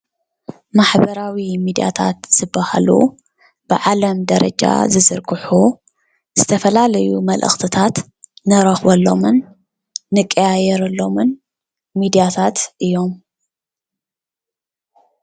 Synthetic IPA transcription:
maħbɐɾawimid̪ija̰t̪ʰa̰t̪z̥ɨbːaha̰lṵ | b̥ɨʕalɐmd̪ɐɾɐ̰d͡ʒʼa̰zɨzɨɾkʰɨħu | z̥ɨt̪ʰɐfɐlalɐjumɐlʔɨ̰xt̪ʰɨt̪ʰat̪ | nɨɾɐxbɐlːo̞mɨnː | ɨkʼːɐjajɛɾɐlːo̞mɨn | mid̪ijat̪ʰat̪ʔɨjːo̞m

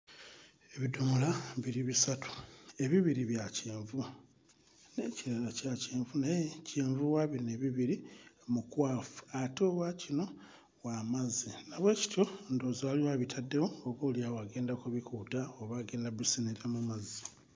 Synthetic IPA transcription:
e̞βidumulaβiɾiβisatu̥e̞βiβiɾiβjaceːɱvu | ne̞ːciɾalacaceːɱvunajeceːɱvuwaβine̞βiβiɾimukwaːfu̥atoːβwacino̞ | wamazinaβwe̞ːci̥tjo̞ndoːzaliwaːβitʰadːewoːβoːljawaɡe̞ːndakuβikutaoβaɡe̞ːndabisiniɾamamazi

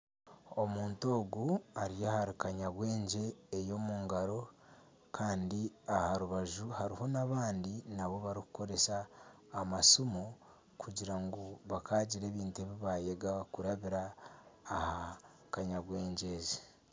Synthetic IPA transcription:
o̞muːnto̞ːɡuaɾijahaɾikaɲaβwe̞ːɲɟe̞ːjo̞muːŋɡaɾo̞ | kʰaːndiahaɾuβaʒuhaɾiho̞naβaːndinaβo̞βaɾiku̥ko̞ɾe̞saː | masumo | kʰuɟiɾaŋɡoβakʰaːɟiɾe̞ːβiːntue̞βiβajeɡakuɾaβiɾaː | ha | kaɲaɡwe̞ːɲɟe̞zi

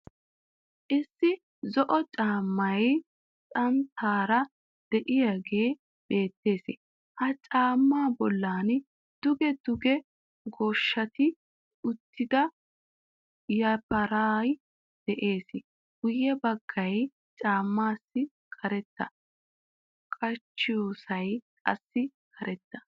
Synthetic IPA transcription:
ʔɪsːɪ | zɔʔɔt͡ʃʼaːmːɐj | t͡sʼɐmt̪ʰaːɾɐ | d̪̥ɛʔɪjaɡe̞ː | b̥e̞ːt̪ːe̞ːsɪ̰ | hɐt͡ʃʼaːmːaːbɔlːaːn | d̪̥ʊɡɛd̪ʊɡɛ | ɡoːʃːɐt̪ɪ | ʊt̪ːɪd̪ɐ | jɐpɐɾaːj | d̪̥ɛʔe̞ːsɪ | ɡʊjːɛbɐɡ̥ːɐj | t͡ʃʼaːmːaːsːɪ | kʰɐɾɛt̪ːɐ | kʼɐt͡ʃːɪjoːsɐjkʼɐ̰sːɪkʰɐɾɛt̪ːɐ̥

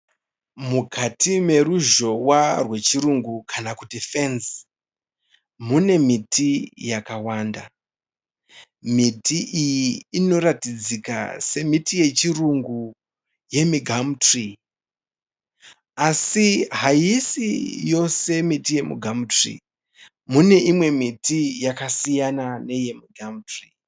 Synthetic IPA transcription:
mukʰatime̞ruʒo̞warwe̞t͡ʃiɾuŋɡukʰanakutifens | mune̞mitʰijakawaːnda | mitiʔijiːno̞ɾatid͡zika̰se̞mitije̞t͡ʃiruŋɡu | je̞miɡʱamtri | asiɦajisijo̞se̞mitije̞mṵɡʱamutrḭ | mune̞ʔimwe̞mitijakasijanane̞je̞miɡʱamtri

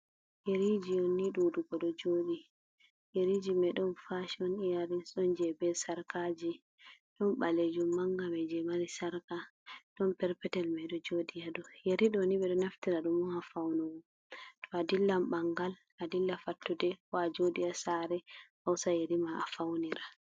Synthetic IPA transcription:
jeɾid͡ʒionːiɗuduɡɔɗɔd͡ʒoɗi | jeɾid͡ʒimɛɗɔnfaʃɔnijaɾisɔnd͡ʒɛbɛsaɾkad͡ʒi | ɗɔnɓaled͡ʒumːaŋɡamɛd͡ʒɛmalisaɾkaɗɔnpɛɾpɛtɛlmaɗɔd͡ʒodijaɗɔjeɾiɗɔniɓɛɗɔnaftiɾaɗumuhafawnɔwu | tʰɔadilːambaŋɡal | adilːafatːudɛwad͡ʒodijasaɾɛhawsajeɾimaafawniɾa

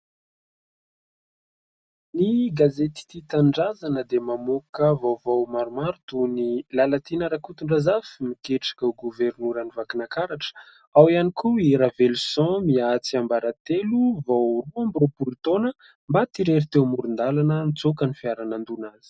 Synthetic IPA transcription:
niɡazet̪i̥t̪it̪aɳɖ͡ʐazanəd̪emamokəvawvawmaɾumaɾut̪unilalat̪inaɾakut̪uɳɖ͡ʐazafimikeʈ͡ʂḁkauɡuveɾnuɾanivakinakaɾaʈ͡ʂə̥ | awianikuiɾavelusɔ̃miat͡siambaɾat̪eluvawruambɾopuɾit̪onə | mbat̪iɾeɾit̪ewmuɾund̪alanənit͡sokənifiaɾanand̪unaz̥i̥

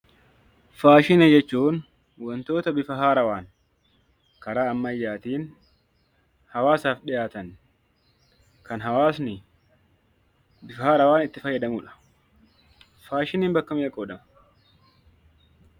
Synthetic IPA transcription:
faːʃɪnɐd͡ʒɛt͡ʃːuːn | wɔnt̪o̞ːt̪ɐbɪfɐɦaːɾɐwaːŋ | kɐɾaːɐmːɐjːaːt̪iːn | hɐwaːsaːfɗɪʔaːt̪ɐn | kɐnɦɐwaːsnɪ | bɪfɐhaːɾɐwaːnɪt̪ːɪfɐjːɐd̪ɐmʊᶑɐ̥ | faːʃɪniːmbɐkːɐmɪjɐkʼɔːᶑɐmɐ̥

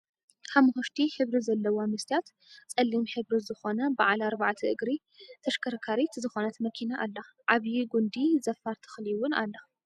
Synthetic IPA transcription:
ħamhoʃt̪ʰiħɨβɾizɐlːɐwomɨst̪ʰijat̪ | t͡sʼɐlːimħɨβɾizɨxo̞nɐbaʕalaɾbaʕt̪ʰiʔɨɡɾi | t̪ʰɐʃkʰɐɾkʰaɾit̪zɨxonɐt̪mɐkʰinaʔalːɐʕaβjiɡund̪izɐfaɾt̪ʰɨ̥xliwʊna̰lːɐ

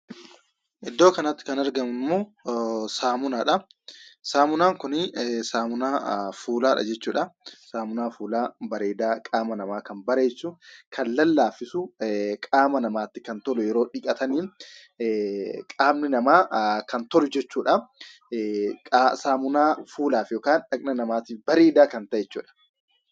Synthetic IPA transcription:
ʔɪd̪ːoːkɐnɐt̪ːɪ̥kɐnɐɾɡɐmɪnmːoːsaːmʊnaːᶑɐ | saːmʊnaːŋkʊnɪsaːmʊnaːfuːlaːᶑɐ̰d͡ʒɛt͡ʃːuːᶑɐsaːmʊnaːfuːlaːbɐɾe̞ːd̪aːkʼaːmɐnɐmaːkɐnbɐɾe̞ːsːuːnkʰɐlːɐlːaːfɪsʊkʼaːmɐnɐmaːt̪ːɪkɐnt̪ɔlʊjɛɾoːᶑɪkʼɐt̪ʰɐniːn | kʼaːbnɪnɐmaːkɐnt̪ɔlʊd͡ʒɛt͡ʃːuːᶑɐ | kʼːsaːmʊnaːfuːlaːfjoːkaːnᶑɐkʼnɐnɐmaːt̪iːfbɐɾeːd̪aːkɐnt̪ɐʔjɛt͡ʃːṵːᶑɐ̥

